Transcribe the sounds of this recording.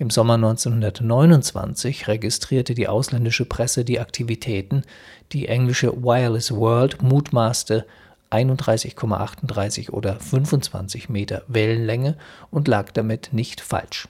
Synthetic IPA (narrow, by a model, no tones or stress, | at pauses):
ʔɪmzɔmɐnɔʏnt͡senhʊndɐtnɔʏnʊnt͡sv̥a̰nt͡sɪçʁeɡɪstʁ̥iːɐtədiːʔaʊslɛndɪʃəpʁ̥ɛsədiːʔaktʰivitʰɛːtn̩ | d̥iːʔɛŋlɪʃə̰waɪɐlɪsvɜɐltmuːtmaːstə | ʔaɪnʊntd̥ʁaɪsɪçkʰɔma̰ʔa̰χtʊndʁaɪsɪçʔo̰ːdɐfʏnfʊnt͡sv̥a̰nt͡sɪçmeːtɐ̰vɛlənlɛŋəʔʊntlaːkd̥amɪtnɪçtfa̰lʃ